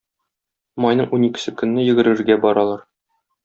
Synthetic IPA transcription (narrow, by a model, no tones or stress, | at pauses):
mɒjnɤɴunikɘ̆sɘkɵ̆nːɘjɘ̆ɡɘ̆ɾɘ̆ɾɡæbɒɾɑlˠɑɾ